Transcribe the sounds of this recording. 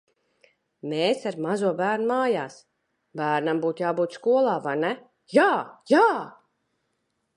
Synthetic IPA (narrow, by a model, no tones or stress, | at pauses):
meːsaɾmazuɔbæːɾnumaːjaːs | bæːɾnambuːt̪jaːbuːt̪skuɔlˠaːvajnɛ | jaːjaː